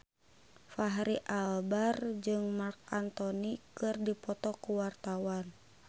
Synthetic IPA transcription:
faɦɾiʔalbard͡ʒɨŋmark̚ant̪ɔnikɨrdipɔt̪ɔkuwart̪awan

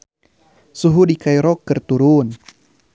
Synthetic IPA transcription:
suɦudikajɾɔkːərt̪uɾun

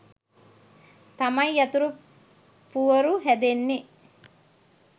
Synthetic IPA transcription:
t̪ɐmɐjɐt̪uɾu | puʋɐɾuɦɛd̪enːi

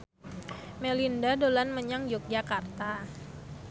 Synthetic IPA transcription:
melindadolanməɲaŋjɔk̚d͡ʒakart̪a

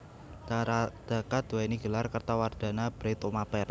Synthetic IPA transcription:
ad̪̥a̤kat̪̚uwainiɡ̥ə̤larkərt̪award̪̥a̤nab̥ɾet̪omapɛr

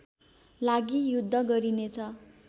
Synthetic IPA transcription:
laɡijud̪ʱːʌɡʌɾinet͡sʰʌ

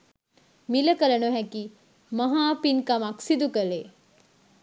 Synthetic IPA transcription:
miləkələnoɦɛki | mɐɦaːpinkɐmaksid̪ukəle

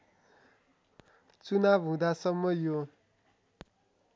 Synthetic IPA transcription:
t͡sunabɦũd̪asʌmːʌjo

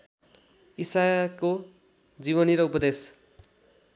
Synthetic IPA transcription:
isajko | d͡ziβʌniɾʌupʌd̪es

